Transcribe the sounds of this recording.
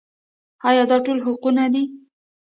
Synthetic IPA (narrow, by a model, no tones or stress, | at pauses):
ɑjɑd̪ɑʈolɦʊqunad̪i